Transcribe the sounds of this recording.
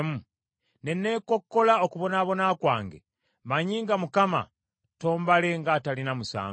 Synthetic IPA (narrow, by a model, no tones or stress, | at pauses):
mu | ne̞nːe̞ːko̞kːo̞laokuβo̞naːβo̞naːkwaːŋɡḛ | maɲiːŋɡamukama̰ | to̞ːmbaleŋɡaːtalinamusa̰ːŋ